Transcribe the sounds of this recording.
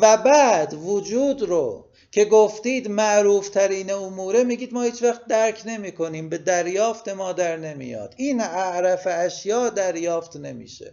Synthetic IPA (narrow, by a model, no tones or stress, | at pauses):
væbæːd̪vod͡ʒuːd̪ɾo̰ | cʰe̞ɡoft̪iːd̪mæʔɾuːft̪ʰæɾiːneomuːɾe̞miːɡiːd̪mɒːhiːt͡ʃvæχt̪̚d̪æɾcʰne̞miːkʰo̞niːmbe̞d̪æɾjɒːft̪e̞mɒːd̪æɾne̞mḭjɒ̰ːd̪̥iːnæʔɾæfeæʃjɒːd̪æɾjɒːft̪ne̞mḭːʃḛ